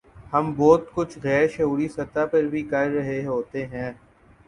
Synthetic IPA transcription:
hɐmbɔːt̪kʊt͡ʃʰɣɛːɾʃɐɦuːɾisɐt̪apɐɾbʱikɐɾːɐɦeɦoːt̪eɦɛ̃ː

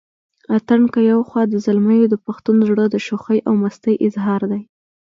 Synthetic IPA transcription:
at̪aɳkəjawxwɑd̪əzalməjod̪əpaxt̪unzɽəd̪əʃoxəjʔawmast̪əjʔɪzɦɑɾd̪aj

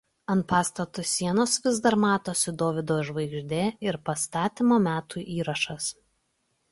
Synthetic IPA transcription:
ɐnt̪̚pɑːst̪ɐt̪ʊsʲːiɛnoːsʋʲɪzd̪ɐɾmɑːt̪oːsʲɪd̪oːʋʲɪd̪oːʒʋɐɪɡʒʲd̪ʲeːɪɾpɐst̪ɑːt̪ʲimoːmʲæːt̪uːʔiːɾɐʃɐs

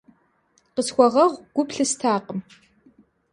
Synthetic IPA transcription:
qəsxʷɔʁɐʁʷɡ̥ʷʊpɬɨstʰaːqəm

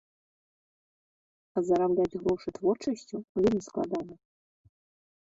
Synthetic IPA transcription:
azɐɾablʲad͡zʲɣɾɔʂɨt̪vɔrt͡ʂɐsʲt͡sʲuvʲelʲmʲisklˠa̰d̪anɐ

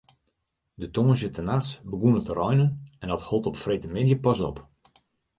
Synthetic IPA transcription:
dətoːnsjətənasbəɡunətərɔjnənɛndɔtholˠtɔpfrejtəmɪdjəpɔsɔ̰p

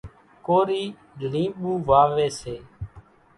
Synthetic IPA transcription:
koːɾiː | ɗʱlĩːɓuːʋaːʋeːseː

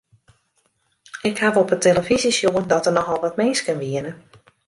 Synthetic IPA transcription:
ɪkhavɔpətʰeləfizisjoəndɔtərnɔxʋɔlˠʋɔtmeːskənʋiənə

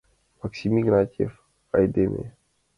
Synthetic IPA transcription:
maksimiɡɾatʲḛf | ajd̪emʔḛ

